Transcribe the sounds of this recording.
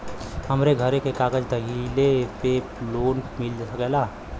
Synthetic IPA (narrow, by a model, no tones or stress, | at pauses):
həmɾeɡʱəɾekekaːɡəd͡ʒd̪əɦilepe | loːnmɪld͡ʒsəkɛlaː